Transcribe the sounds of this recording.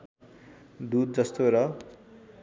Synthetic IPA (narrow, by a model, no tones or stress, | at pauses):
d̪ud̪̚d͡zʌst̪oɾʌ